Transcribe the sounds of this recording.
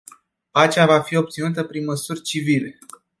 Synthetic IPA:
pat͡ʃavafio̞p̚t̪sinut̪əpɾinməsurʲt͡ʃivile̞

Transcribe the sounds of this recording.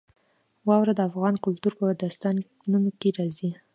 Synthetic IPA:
wɑwɾad̪əafɣɑnkʊlt̪uɾpəwad̪ast̪ɑn | numkeɾɑzi

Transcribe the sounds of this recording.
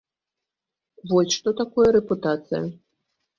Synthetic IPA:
vɔsʲʂt̪ɔt̪akɔjɐɾɛput̪at̪sɨjɐ̰

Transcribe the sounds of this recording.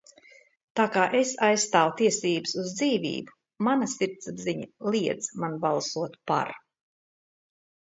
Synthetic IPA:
t̪aːkaːʔesajsst̪aːwt̪iɛsiːbəsuzd̪ziːvḭːbu | manasiɾt̪sbziɲalˠiɛd̪zmanbalˠsuɔt̪pa̰ɾ

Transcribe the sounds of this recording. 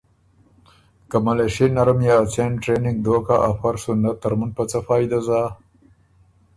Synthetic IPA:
kamaleʃenɐɾmjaːt͡senʈɾenɪŋɡ̚d̪oːkaʔafɐɾsunat̪ɐɾmunpɐt͡safaːjd̪aza

